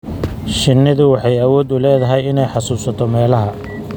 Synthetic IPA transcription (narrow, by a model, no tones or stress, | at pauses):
ʃɪnːɪðʊwɑħɑjɐwɔːd̪ʊlɛːðɐɦɛjɪnɛjħɑsuːsɐt̪ʰɔmɛːlɐɦɐ